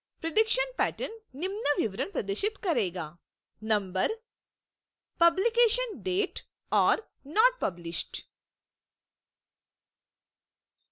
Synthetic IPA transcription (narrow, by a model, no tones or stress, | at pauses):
pɾɐɖikʃɐnpæːʈɐnːimnɐʋiʋɾɐɳpɾɐd̪ɐʃit̪kɐɾeːɡaː | nɐ̃mbɐɾ | pɐblikeːʃɐnɖeːʈ | aːɾ | naːʈ̚pɐblisʈ